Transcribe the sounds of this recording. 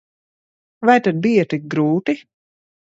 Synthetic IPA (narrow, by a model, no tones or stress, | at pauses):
vajt̪ad̪̚bijɐt̪ik̚ɡɾuːt̪i